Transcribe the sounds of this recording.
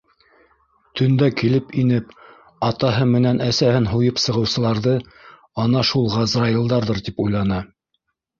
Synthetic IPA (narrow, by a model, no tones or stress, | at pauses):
t̪ʰɵ̆nd̪ækilɘpinɘp | ɑt̪ɑɦɤmɘ̆nænæsæhɘnɦujɤpsɤ̆ʁɤ̆wsɤ̆lˠɑɾðɤ | ɑnɑʃulˠʁɑzrɑilˠd̪ɑɾðɤɾt̪ipujlˠɑnɑ